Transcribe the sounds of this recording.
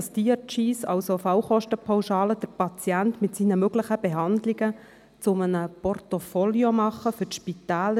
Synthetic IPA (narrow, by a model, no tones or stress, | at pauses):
ɑstiət͡ʃiːsɑ̰wsofɑwχɔʃtəpʰawʃɑːləd̥əɾpɑt͡sjæntmɪtsiːnəmøɡləχəb̥ɛɦɑnd̪liɡə | t͡sʊmənəpɔrtofoljomɑχːəfʏʃpit̪æːlə